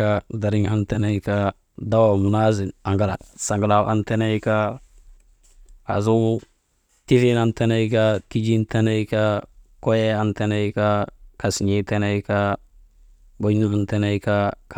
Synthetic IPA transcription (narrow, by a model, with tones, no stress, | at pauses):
a˦da˨ɾi˦ŋa˦nte˦ne˦jka˦ | da˦wa˨mu˨na˦zi˨a˨ŋɡa˦la̰˨sa˨ŋɡa˨la˨wʔa˦nte˦ne˦jka˦ | a̰˨zu˦ | ti˦fi˦na˦nte˦ne˦jkaki˦d͡ʒi˦nte˦ne˦jka˦ko˦je˦a˦nte˦ne˦ika˦ka˨si˨ɲi˦te˦ne˦jka | ɡo˦ɲia˨nte˦ne˦jka˦k